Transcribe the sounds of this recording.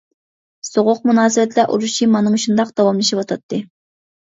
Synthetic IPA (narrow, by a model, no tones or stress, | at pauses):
soʁʊq̚munɑːsɨbɛt̪ʰlɛʔṵɾuʃimɑnɨŋuʃund̪ɑqd̪̥ɑwɑmlˠɨʃipwot̪ʰɑt̪ːɨ